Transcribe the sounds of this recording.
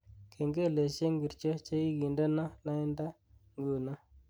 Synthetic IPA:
kʰe˨ŋɡe˦˨le˨ʃe˦ŋɡi˨ɾt͡ʃo˦t͡ʃe˦i˦ɡi˨ndə˦na˦la˦ɪ˦nda˦ | ŋɡu˨na˦

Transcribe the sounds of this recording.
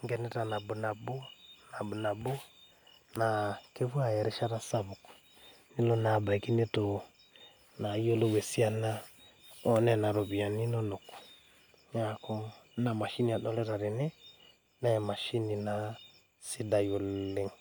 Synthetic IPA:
ŋɡɛ˨nɛ˦ta˨na˨bu˨na˨bo˦na˨bu˨na˨bo˦ | na˨ke˦fu˦a˨jɛ˨ɾɛ˦ʃa˦ɾa˦sa˦βu˨kɔ̥˨ | ni˦lɔ˦na˨ba˨i˨ki˦ne˦to˨ | na˨i˦o˦lo˦wɛ˨si˦a˨na˦ | ɔ˦nɛ˦na˨ɾɔ˨bi˨a˨ni˦nɔ˦no˨kɔ̥˨ | ɲa˦˨kɔ˦na˨ma˨ʃi˦ni˨a˨ɗɔ˦lɛ˦ɾa˨ɾɛ˨nɛ˦ | na˦ɛ˨ma˨ʃi˦ni˨na˨ | si˦da˨jo˨lle˨ŋ

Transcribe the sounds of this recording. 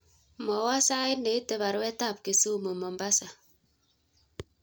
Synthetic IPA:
mɔ˨wa˦sa˦ɪ˦ne˨i˦te˦βa˨ɾwɛ˦ta˦˨p̚ke˨suː˦mo˨mɔ˨mba˦sa˨

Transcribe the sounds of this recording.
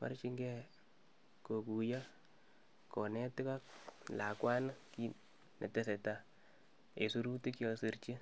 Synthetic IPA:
pa̰˦rt͡ʃi˦ŋɡɛ˦ | ko˨ku˨ja˦ | kɔ˨nɛ˦tɪ˦ka˦kla˨kwa˦na˦ki˦ | nḛ˨te˦se˨ta˨ | e˨su˦ɾu˦ti˦kjo˦si˨ɾt͡ʃi˦

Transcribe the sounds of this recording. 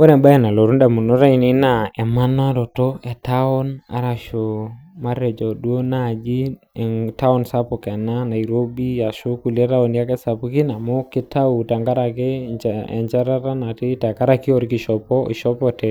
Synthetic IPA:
ɔ˦nɛ˨ba˦ɛ˦˨na˨lɔ˨ɾu˦nda˨mu˨nɔ˦ɾa˦i˨ni˦na˨ɛ˨ma˦na˦ɾɔ˨tɔ˦ɛ˨ta˦ɔ˦na̰˨ɾa˨ʃo˨ma˦ɾɛ˨d͡ʒɔ˨dwo˦na˦˨d͡ʒi˦ | ɛ˨ta˦ɔ˦nsa˦pɔ˨kɛ˨na˦na˨i˨ɾo˦bi˦ja˨ʃo˦ku˨lɛ˦ta˦ɔ˨n˦a˦kɛ˦sa˨pu˦ki˦na˨mʊ˦kɪ˦ta˦u˨ta˨ŋɡa˦ɾa˨kɛ˦t͡ʃɛ̰˨ɲt͡ʃa˦ɾa˦ɾa˦na˨ti˦ta˨ka˦ɾa˦ki˦ɔ˨ɾi˦kɪ˨ʃɔ˨pɔ˦i˨ʃɔ˦pɔtɛ˨

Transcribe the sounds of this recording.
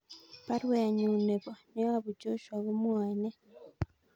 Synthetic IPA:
βa˦ɾweː˨ɲuːne˨βo˨ne˦a˦βu˨ɟo˦ʃwa˨βomwaː˨ne˦

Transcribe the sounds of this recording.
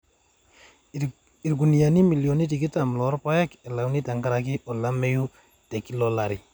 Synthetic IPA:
i˨ɾɡu˨ni˨ja˨ni˦mi˨ljo˨ni˦t̬i˨ki˦ta˨mlɔ˨˦ɾpa˦jɛ˦kɛ˨la˨wni˦ta˨ŋɡa˦ɾa˨kɪ˦ʔɔ˨la˦me˦ju˦ | tɛ˨ki˦lɔ˦la˨ɾi˨

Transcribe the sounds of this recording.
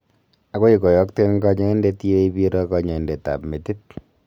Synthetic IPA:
a˨ko˦i˨kɔ˨jɔ˦kte˦nŋkɔ˦ɲɔ˦e˦nde˦ti˦o˦i˦bi˦ɾɔ˦kɔ˨ɲɔ˨e˨nde˨ta̰˨pme˨ti˦t̚

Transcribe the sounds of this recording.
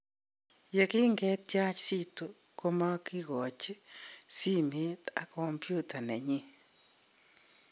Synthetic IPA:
je˨ki˦ŋɡɛ˦t̪̚ja˦t͡ʃsi˦to˨ | ko˦ma˦ki˦ɣo˨t͡ʃi˦si˦mi˦t̪a̰˨ko˨mpju˦tʰa˨nɛ̰˨ɲi˦

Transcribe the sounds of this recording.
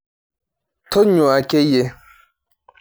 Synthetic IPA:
tʰo˦ɲʊ˨a˨ke˦je˦

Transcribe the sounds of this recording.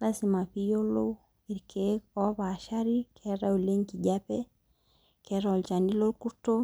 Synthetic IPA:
la˦sima˨pi˦jo˦lo˦ | i˨ɾkʰeɔ˦βa˨ʃa˦ɾikʰɛɾa˦u˨le˦ɲki˨ɟa˦pɛ˦ | kɛ˦ɾao˨lt͡ʃa˨ndi˦lo˦lku˦to˦

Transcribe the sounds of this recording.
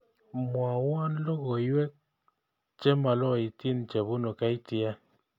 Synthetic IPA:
mwa˨wa˦nlo˦ɣo˨jwɛ˦k̚ | t͡ʃɛ˦ma˨lɔ˦˨i˨ti˦nt͡ʃe˨βu˦no˨ka˦i˦ti˨a˦

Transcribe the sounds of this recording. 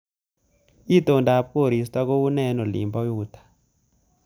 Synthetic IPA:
i˦t̪o˨nda˨˦˨po˦˨ɾi˨s̬ta˦ko˦u˦nɛ˦nɔ˨lḭ˨mba˦juː˨t̪ʰḁ˨

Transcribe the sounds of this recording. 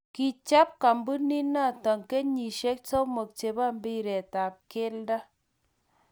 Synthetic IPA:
ki˨t͡ʃa˦p̚ka˨mbu˦ni˦na˦˨tɔ˨ŋke˦ɲi˨ʃe˦k̚t͡so˦mo˨k̚t͡ʃe˨ba˦˨mbi˦˨ɾɛ˨ta˨p̚ke˦lda˦

